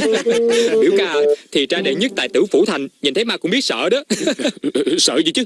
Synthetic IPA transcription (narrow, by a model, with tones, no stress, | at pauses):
ɓḭ˧˩əwkaː˧˩ʔt̪ʰi˨˩t͡ɕaː˧ɗḛ˧˨ɲə˦˥t̚t̪a̰ː˧˨t̪ɨ̰˧˩wfu˧˩t̪ʰa˨˩jŋ̟ɲi˨˩nt̪ʰə˨˦jmaː˧kʊ̰˧˥ŋ͡mɓi˦˥ət̚sə̰ː˧˨ɗɔ˨˦ | sə̰ː˧˨zɨ̰˧˦t͡ɕɨ˦˥